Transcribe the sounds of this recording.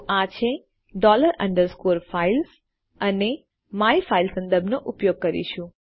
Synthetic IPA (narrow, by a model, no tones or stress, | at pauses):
at͡ʃʰe | ɖɔləɾə̰̃ɳɖəɾskoɾfails | əne | maifailsə̃nd̪əɾbʱnoʔʊpjoɡ̚kəɾḭʃũ